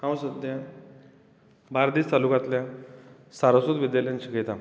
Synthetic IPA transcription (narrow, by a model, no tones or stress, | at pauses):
kãwsəd̪ja | baɾd̪iːt͡st̪alukat̪lja | saɾəsut̪ʋid̪jaljant͡ɕiket̪a